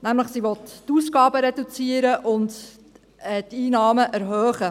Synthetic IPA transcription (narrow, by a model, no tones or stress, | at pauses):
næmləχsiʋɔt̪tuːsɡɑːbəɾedut͡siəɾəʔʊnd | ɛtiːnɑːməʔæɾɦœːχə